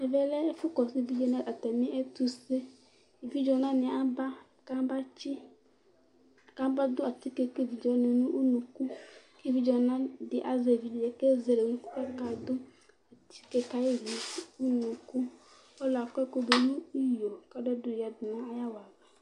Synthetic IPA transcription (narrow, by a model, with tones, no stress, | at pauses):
ɛ˨vɛ˨lɛ˦e˦fu˦kɔ˨si˦˨vi˦d͡ʒɔ˨nã˦ʔa˨t̪ɛ˨mĩ˦ʔe˦t̪u˦se˦˨ | vi˦d͡ʒɔ˨nã˦nɪ̃˨a˦ba˦ | kã˦ba˦t͡ʃi˦˨ | kã˦ba˦d̪o˦a˨t̪i˦ke˦ke˦vi˨d͡ʒɔ˨nẽ˨nũ˦ʔu˦nũ˨ku˦ | ke˦vi˦d͡ʒɔ˨nã˦dɪ˨ʔa˨ze˨vi˨di˨e˨˦ke˦ze˨le˨˦nũ˦ku˦ka˦ka˨d̪o˦ | a˨t̪ʰi̥˦ke˦ka˦ji˦vi˨˦u˦nũ˨ku˦ | ɔ˦lɔ˨a˨kko˦be˨nũ˦i˦jo˨ka˦ɖɛ˦do˨ja˨d̪ʊ˨nã˦a˦ja˦wa˨va˨